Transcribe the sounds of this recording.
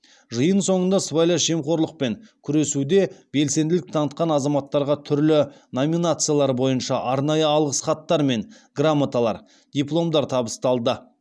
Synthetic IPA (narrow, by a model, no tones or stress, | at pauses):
ʒəjənso̞ɴənd̪ɑsvajlˠɑʃe̞mχo̞ɾlˠəq̚pe̞ŋkʲʰʏɾe̞sud̪e̞be̞lse̞nd̪ɪlɪk̚t̪ʰɑnət̪̚qɑnɑzɑmɑt̪ːɑɾʁɑt̪ʰʏɾlɪ | no̞mʲinat̪sɨjalˠɑɾbo̞jənʃɑʔɑɾnɑjəɑlˠʁəsχɑt̪ːɑɾme̞ŋ | ɡramːat̪alˠɑ̰ɾ | d̪ʲijplˠo̞md̪ɑɾt̪ʰɑbəst̪ɑlˠd̪ə